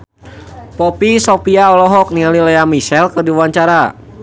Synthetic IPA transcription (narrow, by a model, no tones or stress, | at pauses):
pɔpisopiaɔlɔɦɔk̚nialilɛamiʃɛlkərdiwaɲt͡ʃaɾa